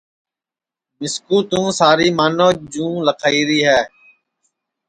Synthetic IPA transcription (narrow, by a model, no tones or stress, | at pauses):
mɪskũːt̪ũːsaːɾiːmaːnoːd͡ʒũːləkʰaːiːɾiːɦɛː